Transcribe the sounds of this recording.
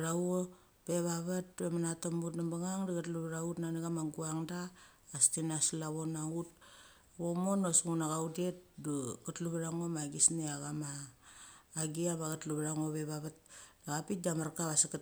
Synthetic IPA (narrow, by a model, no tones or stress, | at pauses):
ɾawo | peβaβat̚emanatombutnambaŋaŋdaɡatluβaɾautnaniɡamaŋɡuaŋdaː | stinaslaβonaut̚ | βomo̞nosŋunaɣaudet̚duɡatluβaɾaŋomaɡisniaɡamaː | ɡiaβaɡatluβaɾaŋoβeβaβat̚daɡapit̚damaɾkaβasakat